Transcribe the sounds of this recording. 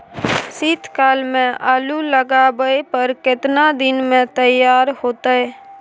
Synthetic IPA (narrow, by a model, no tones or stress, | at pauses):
sit̪ʰkaːlmẽʔaːluləɡabəepəɾkɪt̪nad̪ɪnmẽt̪əjaːɾhoːt̪aɦɛː